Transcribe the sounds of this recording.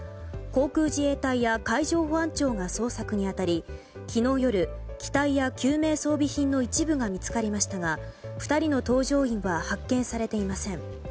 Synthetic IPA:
ko̞ːkɯ̟ːʑieːt̪aijakaiʑo̞ːɸoãɲt͡ɕo̞ːŋaso̞ːsakɯ̟ɲ̟iat̪aɾʲi | kʲʰino̞ːjo̞ɾɯ̟kʲi̥t̪aijakʲʰɨːme̞ːso̞ːbʲiçĩnːo̞it͡ɕibɯ̟ɡamʲit͡sɨ̥kaɾʲimaɕi̥t̪aɡaɸɯ̟̥t̪aɾʲino̞t̪o̞ːʑo̞ːĩɰ̃βahakːẽ̞ɰ̃saɾe̞t̪e̞imasẽ̞ŋ

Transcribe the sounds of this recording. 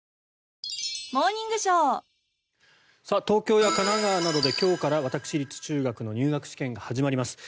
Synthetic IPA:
moːɲ̟ĩŋɡɯ̟ɕoː | sat̪o̞ːkʲo̞ːjakanaɡaːnad̪o̞d̪e̞kʲo̞ːkaɾaβ̞at̪akɯ̟̥ɕiɾʲit͡sɨ̥t͡ɕɨːɡakɯ̟no̞ɲ̟ɨːɡakɯ̟ɕi̥kẽ̞ŋɡahaʑimaɾʲimasɨ̥

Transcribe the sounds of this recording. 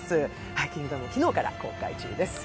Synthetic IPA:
sɨ | haikʲĩŋːɡɯt̪amçʲino̞ːkaɾa̰ko̞̰ːka̰it͡ɕɨ̰ːd̪e̞sɨ̥

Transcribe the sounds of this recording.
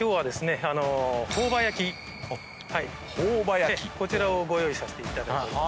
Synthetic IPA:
kʲo̞ːβad̪e̞sɨne̞ano̞ho̞ːbajakʲi | hai | hoːbajaekʲiko̞t͡ɕiɾaoɡo̞jo̞isase̥t̪e̞it̪ad̪akt̪oi

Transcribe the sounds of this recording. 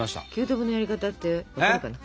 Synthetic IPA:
aɕi̥t̪a̰kʲɨːt̪obɯ̟no̞jaɾʲikat̪at̪ːeβakaɾɯkana

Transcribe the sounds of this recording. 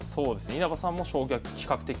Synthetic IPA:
so̞ːd̪e̞sɨneiɾabasãmːo̞ɕo̞ːɡʲokʲi̥kakɯ̟t̪e̞kʲ

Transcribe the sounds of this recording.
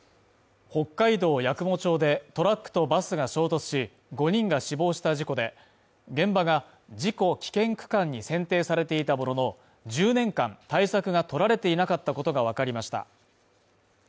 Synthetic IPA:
ho̞kːaid̪o̞ːjakɯ̟mo̞t͡ɕo̞ːd̪e̞t̪o̞ɾakːɯ̥t̪o̞basɨɡaɕo̞ːt̪o̞t͡sɨ̥ɕi | ɡo̞ɲ̟ĩŋɡaɕibo̞ːɕi̥t̪aʑiko̞d̪e̞ | ɡẽ̞mbaɡa | d͡ʑiko̞kʲi̥kẽ̞ŋkɯ̟̥kãɲ̟ːisẽ̞nt̪e̞ːsaɾe̞t̪e̞it̪aboɾo̞no̞ | d͡ʑɨːnẽ̞ŋkãnt̪aisakɯ̟ɡat̪o̞ɾaɾe̞t̪e̞inakat̪ːako̞t̪o̞ɡaβ̞akaɾʲimaɕi̥t̪a̰

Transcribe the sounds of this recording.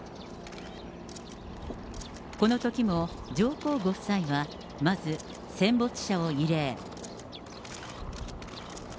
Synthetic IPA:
ko̞no̞t̪o̞kʲimo̞ | d͡ʑo̞ːko̞ːɡo̞̥saiβa | mazɨ | sẽ̞mbo̞t͡sɨ̥ɕao̞iɾe̞ː

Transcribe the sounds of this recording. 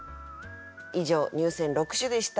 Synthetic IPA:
iʑo̞ːɲ̟ɨːsẽ̞nɾo̞kɯ̟̥ɕɨd̪e̞ɕi̥t̪a

